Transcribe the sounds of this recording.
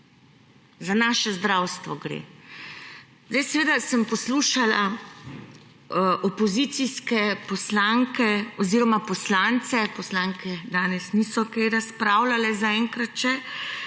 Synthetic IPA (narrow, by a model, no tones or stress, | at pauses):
zanaːʃɛzd̪ɾaːwst̪ʋɔɡɾḛ | zd̪ajsɛʋeːd̪asəmpɔsluːʃala | ʔɔpɔzit̪siskɛpɔslaŋkɛɔziːɾɔmapɔslant̪sɛpɔslaŋkʰɛd̪aːnɛsnisɔkajɾaspɾaːwlalɛzaɛŋkɾat̪ʃɛ